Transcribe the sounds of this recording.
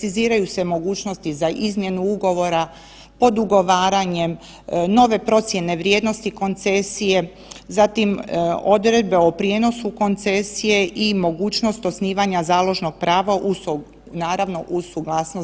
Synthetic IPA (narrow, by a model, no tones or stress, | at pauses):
siziːɾajuse̞mo̞ɡuːt͡ʃno̞st̪izaʔizmje̞nuuɡo̞ʋo̞ɾa | po̞d̪uɡo̞ʋaːɾaɲe̞m | no̞ʋe̞pɾo̞t̪sje̞ne̞ʋɾjed̪no̞st̪iko̞nt̪se̞sije̞ | zat̪imo̞d̪ɾe̞d̪̚be̞opɾjeːno̞suko̞nt̪se̞sije̞ʔimo̞ɡuːt͡ɕno̞st̪osniːʋaɲazaːlˠo̞ʒno̞ɡ̚pɾaːʋaʔus | naːɾaʋno̞ʔusuɡlaːsno